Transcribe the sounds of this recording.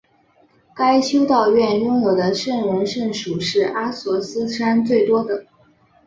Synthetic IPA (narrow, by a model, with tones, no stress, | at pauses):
ka˥ɪɕjo˥ʊt̪ɑ˥˧ʊɥɛ˥˧nɻʊ˥ŋwɔ˨˩d̪ə˦ʂə˥˩ŋwə˧˥nʂə˥˩nʂu˨˩ʂɻ̩˥˩ʔa˥swɔ˧˥sɹ̩˥ʂa˥nt͡swe˥˩ɪt̪wɔ˥d̪ə˨